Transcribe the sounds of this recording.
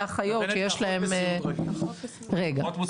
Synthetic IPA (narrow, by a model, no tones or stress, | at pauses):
aχajo̞tːjeʃlaɦe̞m | ʁeɡa